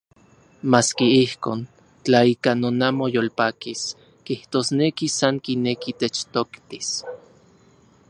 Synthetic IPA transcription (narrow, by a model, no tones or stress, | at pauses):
maːskiihkoːn | t͡ɬaikanonamojolpaːkis | kiht̪oːsnekisaŋkinekit̪et͡ʃt̪okt̪i̥s